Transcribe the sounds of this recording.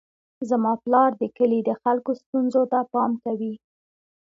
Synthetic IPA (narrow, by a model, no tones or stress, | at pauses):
zamɑplɑɾd̪əkəlid̪əxalkost̪unzot̪apɑmkawi